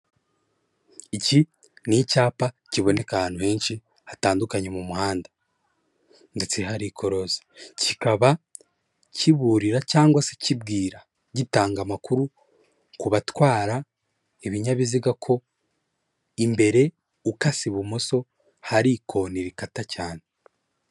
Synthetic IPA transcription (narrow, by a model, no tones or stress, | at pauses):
ici | nicaːpa | ciβo̞ne̞kahaːnuhe̞ːnʃi | hataːndukaɲe̞mumuhaːndḁ | nde̞t͡seɦaɾikʰo̞ɾo̞zi̥cikaβa | ciβuːɾiɾacaːŋɡwase̥cibɡiːɾa | ɟitaːŋɡamakuɾu | kuβatwaːɾa | eβiɲaβiziɡakʰo̞ | imbe̞ɾe̞ | ukasiβumoso̞ | haɾikʰo̞niɾikatacaːne